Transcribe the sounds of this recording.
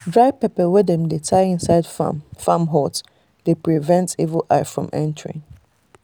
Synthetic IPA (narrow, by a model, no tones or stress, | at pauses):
dɹaɪpɛpəwɛdɛ̃mdetʰaɪɪ̃nsaɪdfãmɦɔt | depɹivɛ̃ntḭvəlʔaɪfɹɔ̰̃mʔɛ̰̃ntəɹɪ̰̃ŋ